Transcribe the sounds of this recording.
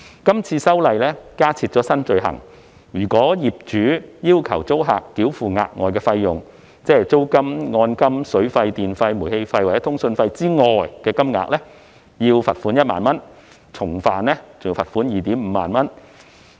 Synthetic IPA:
kɐ˥mt͡sʰiː˧sɐ˥wlɐ˧jlɛː˥kaː˥t͡sʰiː˧t̚t͡ʃɔː˨˥sɐ˥nt͡ʃɵ˧ɥɦɐ̰˨˩ŋ | jyː˨˩kɔː˨˥jiː˨p̚t͡ʃyː˨˥jiː˥wkʰɐ˨˩wt͡so˥wɦa̰ː˨kːiː˨˥wfuː˨ŋa̰ː˧k̚ŋɔ̰ː˨˩jkɛː˧fɐ˧jjʊ˨˩ŋ | t͡sɛː˥hɛ˨˩jt͡so˥wkɐ˥mŋɔː˧nkɐ˥msɵ˨˥ɥfɐ˧jt̪iː˨nfɐ˧jmu˨˩jhe˧jfɐ˧jwa˨˩ɛ˨˦t̪ʰʊ˥ŋsɵ˧nfɐ˧jt͡siː˥ŋɔː˨jkɛː˧kɐ˥mŋa̰ː˨k̚lɛː˥ | jiː˧wfɐ˨t̚fuː˨˥njɐ˥t̚maː˨˩nmɐ˥n | t͡sʰʊ˨˩ŋfaː˨nlɛː˥t͡sʊ˨ŋji˧wfɐ˨t̚fuː˨˥njiː˨˩t̪iː˨˥mm̩ː˨˧ma̰ː˨nmɐ˥n

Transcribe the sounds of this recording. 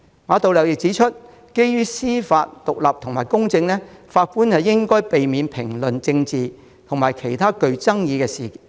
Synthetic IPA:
maː˨˧t̪o˨wlɐ˨˩wjɪ˨k̚t͡siː˨˥t͡ʃʰɵ˥t̚ | ke˥jjyː˥siː˥faː˧t̚t̪ʊ˨k̚lɐ˨p̚t̪ʰʊ˨ŋmaː˨˩jkʊ˥ŋt͡sɪ˧ŋlɛː˥faː˧t̚puː˥nhɐ˨˩wjɪ˥ŋkɔː˥jpe˨jmiː˨˧npʰɪ˨˩ŋlɵ˨nt͡sɪ˧ŋt͡siː˨ | t̪ʰʊ˨˩ŋmaː˨˩jkʰe˨˩jt̪ʰaː˥kɵ˧ɥt͡sɐ˥ŋjiː˨˧kɛː˧siː˨

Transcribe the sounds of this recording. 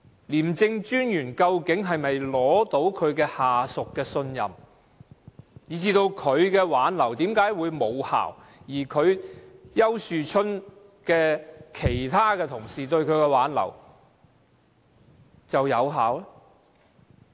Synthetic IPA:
liː˨˩mt͡sɪ˧ŋt͡ʃyː˥njyː˨˩nkɐ˧wkɪ˨˥ŋɦɐ˨jmɐ˨jlɔː˨˥t̪o˨˥wkʰɵ˨˧ɥkɛː˧haː˨sʊ˨kːɛː˧sɵ˧njɐ˨m | jiː˨˥t͡siː˧t̪o˧wkʰɵ˨˧ɥkɛː˧waː˨˥nlɐ˨˩wt̪iː˨˥mkaː˨˥jwuː˨˧jmo˨˧wha̰ː˨˩w | jiː˨˩kʰɵ˨˧ɥjɐ˥wsyː˨t͡ʃʰɵ˥n | kɛː˧kʰe˨˩jt̪ʰaː˥kɛː˧t̪ʰʊ˨˩ŋsiː˨t̪ɵ˧ɥkʰɵ˨˧ɥkɛː˧waː˨˥nlɐ̰˨˩w | t͡sɐ˨wjɐ˨˧wɦaː˨˥wlɛ

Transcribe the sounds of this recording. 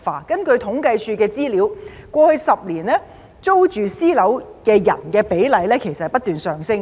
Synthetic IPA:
fa̰ː˨˩kɐ˥nkɵ˧ɥt̪ʰʊ˨˥ŋkɐ˧jt͡ʃʰyː˧kɛː˧t͡siː˥liː˨˥wkʷɔː˧hɵ˧ɥsɐ˨p̚liː˨˩nlɛː˥ | t͡so˥wt͡ʃyː˨siː˥lɐ˨˥wkɛː˧jɐ̰˨˩nkɛː˧pe˨˥jlɐ˨˧jlɛː˥kʰe˨˩jsɐ˨hjpɐ˥t̪yː˨nsœː˨˩ŋsɪ˥ŋ

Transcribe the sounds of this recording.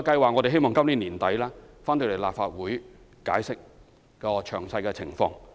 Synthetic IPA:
kɐ˧jwaː˨ŋɔ˨˧t̪e˨ɦe˥jmɔː˨ŋkɐ˥mliː˨˧˥niː˨˩nt̪ɐ˨˥jlɛː˥ | faː˥nt̪ɵ˧le˨˩laː˨p̚faː˧t̚wuː˨˥j | ka̰ː˨˥jsɪ˥k̚ | kɔː˧t͡ʃʰœ̰ː˨˩ŋsɐ˧jkɛː˧t͡sʰɪ˨˩ŋfɔ̰ː˧ŋ

